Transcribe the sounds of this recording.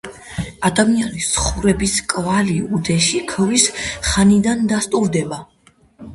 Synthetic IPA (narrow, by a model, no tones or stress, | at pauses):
ad̪amianisχuɾɛbiskʼvaliud̪ɛʃikʰvisχanid̪and̪ast̪ʼuɾd̪ɛba